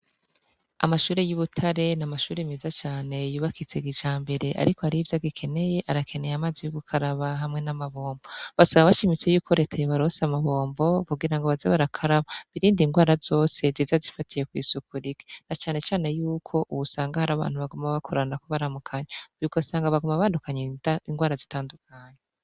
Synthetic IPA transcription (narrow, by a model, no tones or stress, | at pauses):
amaʃuːɾejuβutʰaɾe̞namaʃuːɾeimizat͡ʃaːne̞juːβakit͡se̞ɡit͡ʃaːmbe̞ɾe̞ʔa̰ɾiko̞haɾivjaɡikʰe̞ne̞je̞ʔaɾakʰene̞jamaːzijuɡukʰaɾaβaɦamŋe̞namaβo̞ːmbo̞βasaβaβaʃimit͡se̞juːkʰo̞ɾe̞ːtʰajoβaɾosamaβo̞ːmbo̞kuɡiɾaŋɡoβazaβaɾakʰaɾaβaβiɾiːndiŋɡwaːɾazo̞ːse̞ziːzazifatʰije̞kwiːsukuɾiɡe̥nat͡ʃaːne̞t͡ʃaːne̞juːkʰo̞ʔuβusaːŋɡahaɾaβa̰ːn̥huβaɡumaβakʰoɾanakoβaɾamukʰaɲejuɡasaːŋɡaβaɡumaβaːndukaɲeaiŋɡwaːɾazitaːndukʰaɲe